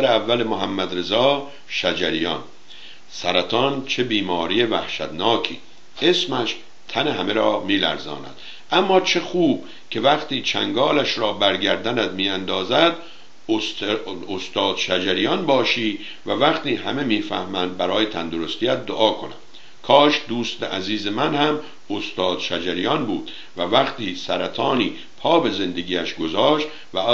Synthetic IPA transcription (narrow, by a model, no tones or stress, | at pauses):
ɾeævːælemoɦæmːæd̪ɾe̞zɒː | ʃæd͡ʒæɾijɒ̰n | sæɾæt̪ʰɒːnt͡ʃʰe̞biːmɒːɾijevæhʃæ̰d̪nɒːkʰḭː | e̞smæʃ | t̪ʰæneɦæmeɾɒːmiːlæ̰ɾzɒ̰ːnæ̰d̪̥ | ʔæmːɒːt͡ʃʰe̞xuːb̥̚ | kʰe̞væχt̪iːt͡ʃʰæ̰ŋɡɒːlæʃɾɒːbæɾɡæɾd̪ænæd̪miːænd̪ɒːzæd̪ | o | ost̪ɒːd̪̥ʃæd͡ʒæɾijɒnbɒːʃiː | vævæχt̪iːɦæme̞miːfæ̰hmænd̪̚bæɾɒːjet̪ʰænd̪oɾo̞st̪ijæt̪̚d̪oʔɒːkʰo̞næ̰m | kʰɒːʃd̪uːst̪eʔæziːzemænhæm | ost̪ɒːd̪̥ʃæd͡ʒæɾijɒnbuːd̪̥ | vævæχt̪ʰiːsæɾæt̪ʰɒːniː | pʰɒːbe̞ze̞nd̪e̞ɡiːæʃɡo̞zɒːʃt̪ | væ